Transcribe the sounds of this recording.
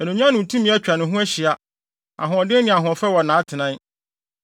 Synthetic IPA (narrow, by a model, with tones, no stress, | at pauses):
ɛ˨nũ˨ɲᶣ˦ã˦nʊ̃˨tʰũ˦mĩ˦ɛ˦t͡ɕᶣa˨nʊ̃˨ɦʊ̃˦æ˦ɕi˨a˦ | a̰˨ɦʊ̃˨ɔ˨dɪ˦nɪ̃˨a˨ɦʊ̃˨fɛ˦wɔ˨nãː˨˦tʰɪ˨nã˦